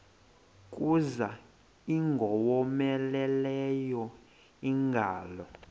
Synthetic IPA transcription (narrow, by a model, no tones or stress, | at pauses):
kʼuza | iŋɡʱɔwɔmɛlɛlɛjɔ | iŋɡʱaːlɔ